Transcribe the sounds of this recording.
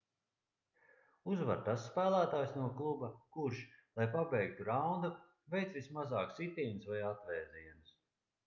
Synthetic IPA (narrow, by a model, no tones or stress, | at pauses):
uzva̰ɾt̪asːpæːlˠæːt̪aːjsnuɔklˠubɐkuɾʃlˠajpabɛjk̚t̪uɾawnd̪u | vʲɛjt̪sʲismazɑːksit̪ʲiːnsvajat̪vɛːziɛnɨs